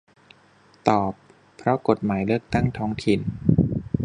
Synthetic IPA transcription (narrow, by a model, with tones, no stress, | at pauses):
t̪ɔː˨˩pʰː | ɾɔ˦˥ko˨˩t̪̚maː˩˦jlɯ˥˩ək̚t̪a˥˩ŋt̪ʰɔː˦˥ŋt̪ʰi˨˩n